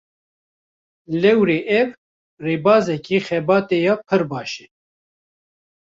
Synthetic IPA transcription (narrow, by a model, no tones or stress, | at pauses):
lɛwɾeːʔɛv | reːbɑːzɛkiːxɛbɑːt̪eːjɑːpʰɨɾbɑːʃɛ̥